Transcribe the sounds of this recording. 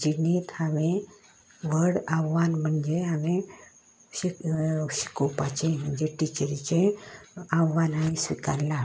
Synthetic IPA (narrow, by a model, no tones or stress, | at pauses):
d͡ʑinit̪amĩ | ʋəɽaʋːanm̤əɳd͡zeɦame | iɕi̥kopat͡ɕẽm̤əɳd͡zeʈit͡ɕəɾit͡ɕẽ | aʋːanaisʋika̰lːa